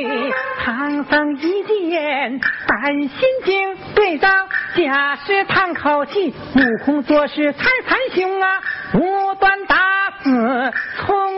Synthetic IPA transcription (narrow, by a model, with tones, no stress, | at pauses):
t̪ʰɑ˧˥ŋsə˧˥ŋi˧˥t͡ɕi˥˧ɛ˧˩˧nt̪a˨˩nɕi˥nt͡ɕi˥ŋt̪we˥˩ɪtɑ˥˩ŋt͡ɕja˨˩ʂɻ̩˥˧t̪ʰa˥˩nkʰɑ˨˩ʊt͡ɕʰi˥˩ | mu˨˩kʰʊ˥ŋt͡swɔ˥˧ʂɻ̩˥t͡sʰa˥˩ɪt͡sʰa˧˥nɕi˧˥ŋa˧u˧˥t̪wa˥nt̪a˧˥sɹ̩˨˧˩t͡sʰʊ˥ŋ